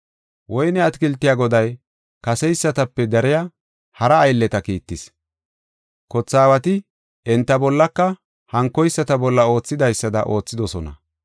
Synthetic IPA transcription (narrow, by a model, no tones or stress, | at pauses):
wɔjnɛɐt̪kɪlt̪ːɪjaɡɔd̪ɐj | kɐsɛjsːɐt̪ɐpːɛd̪ɐɾɪjɐ | hɐɾɐːjlːɛt̪ɐkiːt̪ːɪs | kɔt͡sːaːwɐt̪ɪ | ɛnt̪ːɐbɔlːɐkːɐ | hɐŋkːɔjsːɐt̪ɐbɔlːɐo̞ːt͡sːɪd̪ɐjsːɐd̪ɐ̰ʔo̞ːt͡sːɪd̪ɔsɔnɐ̰